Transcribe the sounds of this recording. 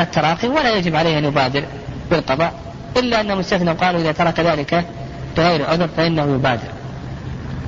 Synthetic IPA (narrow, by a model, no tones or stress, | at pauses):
at̪ːɑɾˤɑːxiwalajad͡ʒɪbʕaleːhʔanjʊbaːd̪ɪɾ | bɪlqɑðˤɑːʔ | ʔɪlːaʔanːamʊst̪aθnawqɑːluʔɪðat̪ɑɾˤɑkðaːlɪka | lɪɣaːɾʕʊðɾˤfaʔɪnːahʊjʊbaːd̪ɪ̰ɾ